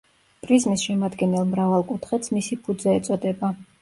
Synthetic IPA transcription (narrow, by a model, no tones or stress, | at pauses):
pʼɾizmisʃɛmad̪ɡɛnɛlˠmɾavalˠkʼut̪ʰχɛt̪smisipʰud̪zɛːt̪sʼɔd̪ɛba